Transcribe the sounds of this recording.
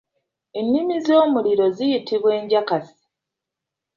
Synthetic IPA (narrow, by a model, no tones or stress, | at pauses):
enːimizo̞ːmuliɾo̞zijitʰiβwe̞ːɲɟakasi̥